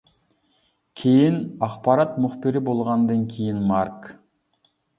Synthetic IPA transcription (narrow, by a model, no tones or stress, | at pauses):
kʲʰejinɑχpɑɾɑt̪mʊχpɪɾɪbolˠʁɑnd̪ɨŋkʲʰejinmɑɾk